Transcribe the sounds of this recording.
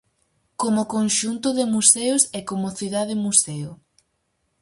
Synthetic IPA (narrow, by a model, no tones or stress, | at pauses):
komʊkonʃunt̪ʊðɪmusɛʊsɛkomʊθiðaðɪmusɛʊ